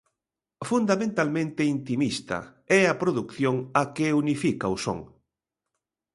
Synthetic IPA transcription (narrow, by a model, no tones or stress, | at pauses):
fund̪amẽnt̪almẽnt̪ɪint̪imist̪ɐ̰ɛɐpɾoðukθjoŋɐkeunifikɐuso̰ŋ